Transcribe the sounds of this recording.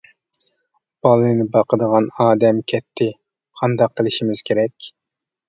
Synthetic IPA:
b̥ɑlˠɨnɪbɑqʰəd̪əʁɑnɑːd̪ɛmkʲʰɛt̪ʰːɪ | qʰɑnd̪ɑqʰːəlˠɪʃimɪz̥kʲʰeɾɛkʲ

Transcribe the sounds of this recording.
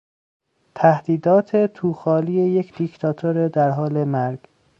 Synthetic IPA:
t̪ʰæhd̪̥iːd̪ɒːt̪ʰet̪ʰuːxɒːliːejecʰd̪̥icʰt̪ʰɒːt̪ʰoɾed̪æɾɦɒːlemæɾɡ

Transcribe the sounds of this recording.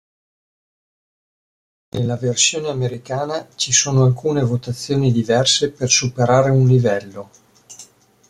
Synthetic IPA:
nʔḛlːaversjoːneameɾikaːnat͡ʃisoːnoalkuːnevot̪at̪sːjoːnid̪ivɛrsepersupeɾaːɾeunlivɛlːo

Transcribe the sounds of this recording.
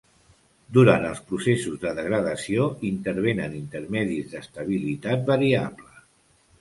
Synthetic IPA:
d̪uɾant̪əlˠspɾusesuzðəðəɣɾəðəsioint̪əɾβ̞enənint̪əɾmɛðizðəst̪əβ̞ilit̪at̪̚bəɾiaβlə

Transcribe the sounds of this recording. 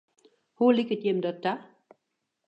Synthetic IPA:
hulikətjɛmdɔtːa

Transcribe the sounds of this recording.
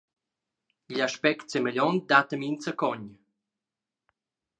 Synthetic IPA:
iʎaʃpɛkt̪semeʎɔnt̪̚d̪at̪əmint͡səkɔɲ

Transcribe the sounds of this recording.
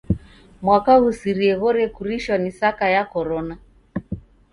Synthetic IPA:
mwakaɣusiɾiɛɣɔɾɛkuɾiʃwanisakajakɔɾɔna

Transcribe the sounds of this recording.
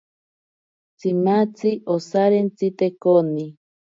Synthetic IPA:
t͡simat͡siʔosaɾent͡sit̪ekoni

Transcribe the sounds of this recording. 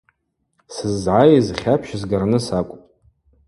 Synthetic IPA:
sɨzːʕajzχʲapʰʃzɡarnɨsakʷʼʊpʼ

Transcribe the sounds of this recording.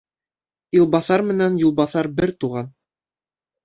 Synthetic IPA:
ulˠbɑθɑɾmɘ̆nænjulˠbɑθɑɾbɘɾt̪uʁɑn

